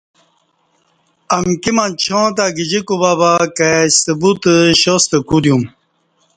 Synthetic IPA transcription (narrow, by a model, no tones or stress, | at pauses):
ɐmkimãt͡ɕʰõt̪̬aɡid͡ʑikubabakaɕəbut̪əɕost̪əkud̪jum